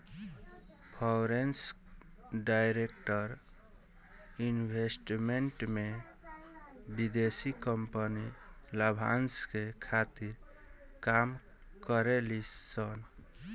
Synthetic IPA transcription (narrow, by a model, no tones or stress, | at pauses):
pʰɔɾens | ɖaɪɾekʈəɾ | inbʱesʈmeɳʈme | bid̪esikəmpəniləbʱa̰nskekʰat̪iɾ | kam | kəɾelisən